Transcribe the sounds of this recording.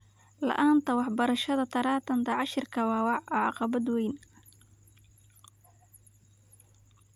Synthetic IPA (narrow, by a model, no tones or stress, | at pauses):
lɐ̰ʔaːnt̪ʰɐwɑħbɐɾɐʃɐðɐt̪ʰɐɾaːt̪ʰɐnt̪ʰɐʕɑʃɪrkʰɐwɑːwɑʕɔʕɑ̰qɑβɐd̪wɛjn